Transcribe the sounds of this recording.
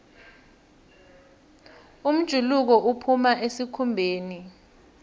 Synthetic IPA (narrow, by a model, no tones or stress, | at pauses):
um̩d̥ʒ̥ʱuluk̬ɔʔupʰumaʔesikʰumbʱeːni